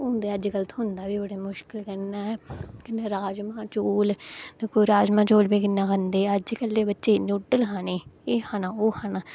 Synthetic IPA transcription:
ʊnd̪eːəd͡ʒɡələt̪ɦʊnd̪aːʋiːbəɽeːmʊʃkɪlkənːaːɛkɪnːeːɾaːd͡ʒmãːt͡ʃoːlekʰoːɾaːd͡ʒmãːt͡ʃoːlbeːkɪnːãːkənd̪eːəd͡ʒkəlːeːbətːʃeːnuːʈːəlkʰaːneːeːhaːnãːoːkaːnãː

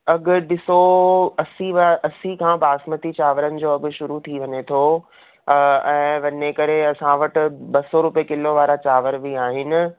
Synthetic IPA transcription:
ɐɡʊ̆ɗɪsoɐsiʋaʔɐsikʰãːbaːsmət̪it͡ɕaːʋəɾənɪ̆d͡ʑoːɐɡʊ̆ʃʊɾut̪ʰiʋɐɲet̪ʰoː | ɛ̃ːʋɐɲekɐɾeɐsãʋɐʈɪ̆bɐsoɾʊpekɪloʋaːɾat͡ɕaːʋəɾbiaːɦɪnɪ̆

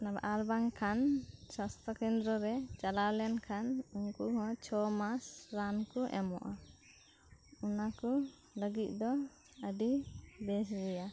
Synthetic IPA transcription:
naba̰ʔaɾbaŋkʰansast̪ʰakɛnd̪ɾɔɾɛt͡ʃalaɾlɛnkʰanuŋkuhɔt͡ʃʰɔmasɾankuʔɛ̰mɔ̰ʔa | unaku | ləɡit̪̚ˀd̪ɔ | əɖibɛs̬ɡɛja

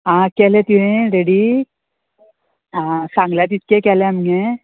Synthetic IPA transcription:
ɦãkɛːlet̪uɦẽɾeːɽi | asãːŋɡlat̪it̪kekɛːleɐmɡe

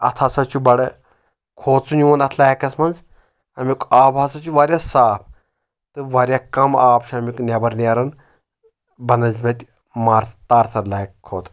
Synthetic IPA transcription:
ɐ̰t̪ʰasɐt͡ʃʰubɐɽɨ | kʰoːt̪sunʲuɐnɐt̪ʰlaːjɐkɐsmɐnz | ɐmikaːbʱaːsɐt͡ʃʰuʋɐɾʲjasaːp̚ʰ | t̪ɨʋɐɾʲjakɐmaːpʃɐɐmʲiknʲɐbɐɾnʲeɾɐn | bɐnɐzʲmʲɐt̪ʲ | maːɾst̪aːɾsɐɾlaikkʰːoːt̪

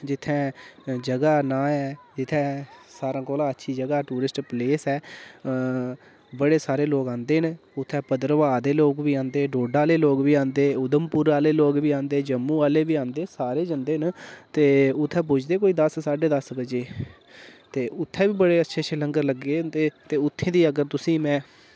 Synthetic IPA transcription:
d͡ʒɪt̪ʰːɛ̃ːd͡ʒəɡaːnãːɛːd͡ʒɪt̪ʰːɛ̃ːsaːɾãːkɔːlãːətːʃʰiːd͡ʒəɡaːʈuːɾɪsʈpleːsɛː | bəɽeːsaːɾeːloːkãːnd̪eːɦnʊt̪ʰːɛ̃ːpəd̪əɾəʋaːd̪eːloːkʋiːãːnd̪eːɖoːɖaːleːloːkʋiːãːnd̪eːʊd̪əmpʊɾaːleːloːkʋiːãːnd̪eːd͡ʒəmːũːaːleːʋiːãːnd̪eːsaːɾeːd͡ʒənd̪eːɦnt̪eːʊt̪ʰːɛ̃ːp̬ʊd͡ʒd̪eːk̬oːiːd̪əssaːɖeːd̪əsbət͡ʃeː | t̪eːʔʊt̪ʰːɛ̃ːʋiːbəɽeːətːʃʰeːʃʰələŋɡəɾləɡeːnd̪eːt̪eːʊt̪ʰːẽːd̪iːəɡəɾt̪ʊsĩːmɛ̃ː

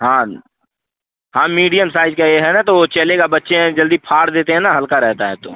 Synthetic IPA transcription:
ɦãː | ɦãːmiːɖijəmsaːɪd͡ʒkajeɦɛnat̪oʋot͡ʃɐleɡabɐtːʃẽd͡ʒɐld̪ipʰaːɾd̪eːt̪eɦɛ̃naɦɐlkaɾɛɦt̪aɦɛt̪o̰ː

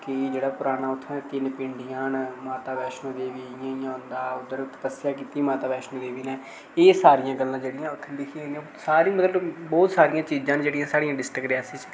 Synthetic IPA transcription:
kɪd͡ʒeːɽaːpʊɾaːnaːʊt̪ʰːnɛːt̪ɪnpɪɳɖijãːnmaːt̪aːbɛːʃnõːd̪eːʋiːɪjãːijãːɦʊ̃nd̪aːʊd̪əɾt̪ə̥pəsjaːkiːt̪iːmaːt̪aːbɛːʃnõːd̪eːʋiːnɛ̃ː | eːsaːɾɪjãːɡəlːãːd͡ʒeːɽɪjãːʊt̪ʰːlɪkʰĩãnd̪iã | saːɾĩːmət̪ləbbɔːt̪saːɾɪjãːt͡ʃiːd͡ʒãːnd͡ʒeːɽɪjãːsaːɽijãːɖɪsʈəkɾɪaːsĩːt͡ʃ

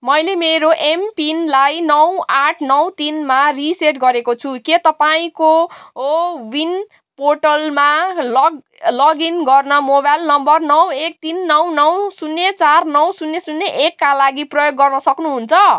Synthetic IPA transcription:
mʌjlemeɾoʔempinlajnʌwaʈʰnʌwt̪inmariseʈɡʌɾekot͡sʰuket̪ʌpaĩko | win | porʈʌlmalʌɡ | lʌɡinɡʌrnʌmobajlnʌmbʌrnʌwek̚t̪inːʌwnʌwsunːet͡sarnʌw̃sunːesunːeʔekːalaɡiprʌjoɡːʌrnʌsʌknuɦunt͡sʰʌ

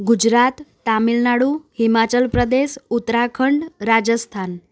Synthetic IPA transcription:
ɡud͡ʑɾat̪ːamilnaɽuhimat͡ɕəlpɾəd̪esut̪ɾakʰəɳɖɾad͡ʑəst̪ʰan

